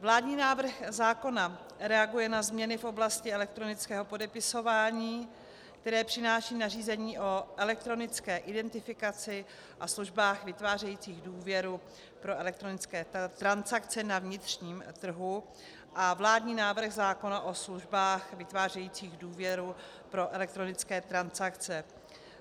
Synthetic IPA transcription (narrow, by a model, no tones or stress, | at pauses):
vlaːdɲiːnaːvr̩xzaːko̞na | ɾɛaɡujɛnazmɲɛnɪfʔo̞blascɪɛlɛkt̪ɾo̞nɪt͡skɛːɦo̞po̞dɛpɪso̞vaːɲiː | kt̪ɛɾɛːpr̝̥ɪnaːʃiːnariːzɛɲiːʔo̞ʔɛlɛk̚t̪ɾo̞nɪt͡skɛːʔɪdɛnt̪ɪfɪkat͡sɪ | ʔasluʒbaːxvɪt̪vaːr̝ɛjiːt͡siːɣduːvjɛɾu | pɾo̞ʔɛlɛk̚t̪ɾo̞nɪt͡skɛːt̪ɾansakt͡sɛnavɲɪt̪r̝̥ɲiːmt̪r̩ɦu | ʔavlaːdɲiːnaːvr̩ɣzaːko̞naʔo̞sluʒbaːxvɪt̪vaːrɛjiːt͡siːɣduːvjɛɾu | pɾo̞ʔɛlɛk̚t̪ɾonɪt͡skɛːt̪ɾansakt͡sɛ